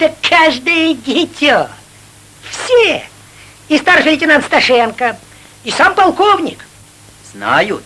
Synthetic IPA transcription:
t̪əkʰːaʐd̪ɨjəɡʲɪtʲo | fsʲe | ɪst̪arfʲɪlʲɪtʲɪnant̪st̪ɐʂɛnkə | isampɐlˠkovnʲɪ̰k | z̥na̰jʊt̪

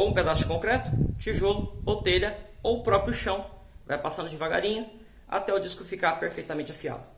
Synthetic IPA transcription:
owũped̪asʊ̥kõkɾɛt̪ʊ̥t͡ʃiʒolʊot̪eʎɐ | owpɾɔpɾjʊʃɐ̃w̃ | va̰jpasɐ̃nd̪ʊd͡ʒɪvaɡa̰ɾĩɲʊ | a̰t̪ɛʊd͡ʒiskʊfikapeɾfejt̪ɐmẽnt͡ʃafia̰d̪ʊ

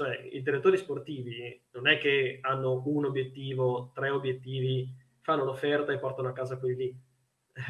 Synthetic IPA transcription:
t͡ʃoɛḭd̪iɾet̪ːoːɾisport̪iːvinonɛkːeanːounobjet̪ːiːvot̪ɾɛobːjet̪ːiːvi | fanːolofːɛrt̪aepːɔrt̪anoakːaːzakwid̪ili

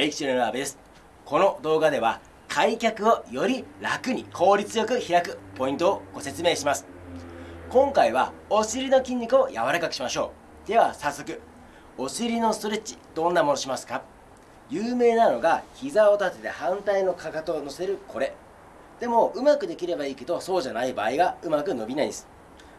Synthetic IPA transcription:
eikʲi̥t͡ɕiɾenoabe̞d̪e̞sɨ̥ | ko̞no̞d̪o̞ːɡad̪e̞β̞a̰ | kʰaikʲakɯ̟o̞jo̞ɾʲiɾakɯ̟ɲ̟ikʰo̞ːɾʲit͡sɨjo̞kɯ̟çiɾakɯ̟po̞ĩnt̪oːɡ̥o̞se̞t͡sɨme̞ːɕimasɨ̥ | kõ̞ŋkaiβ̞a̰o̞ɕiɾʲino̞kʲĩɲ̟ʲːikɯ̟o̞ja̰βaɾakakɯ̟ɕimaɕo̞ː | d̪̥e̞βasasːo̞k̬ɯ̟ | o̞ɕiɾʲino̞st̪o̞ɾe̞t͡ɕːi̥d̪̥õ̞nːamo̞no̞ɕimasɨ̥ka | jɯːme̞ːnano̞ɡaçizao̞t̪at̪e̞t̪ḛhãnt̪aino̞kʰakat̪ono̞se̞ɾɯ̟kʰo̞ɾe̞ | d̪̥e̞mo̞ɯ̟makɯ̟d̪e̞kʲiɾe̞baiːke̞d̪o̞so̞ːʑanaiba̰ːiɡaɯ̟makɯ̟no̞bʲinaĩd̪sɨ̥

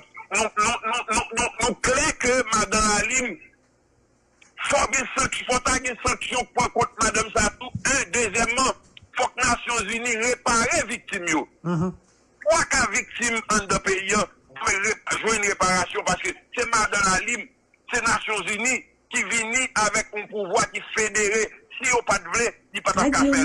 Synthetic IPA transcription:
nũnũnũnũnũnũklɛ̃kømad̪ãlalim | fɔɡɛ̃sɐ̃kfɔt̪aɡɛ̃sɐ̃ksjɔ̃pãkɔ̃t̪̚mad̪ãmsat̪uɛ̃d̪øzjɛmːʌ̃fɔk̚nasjɔ̃zyniʁepaɣevik̚timjo | pwakavik̚timɐ̃d̪ãpeiã | ɛeʒwɛ̃nɣepaʁasjɔ̃paskøsemadãlalim | senasjɔ̃zyni | kivinĩʔavɛkũpuvwakifedeʁesijopat̪vlelipat̪akafɛ

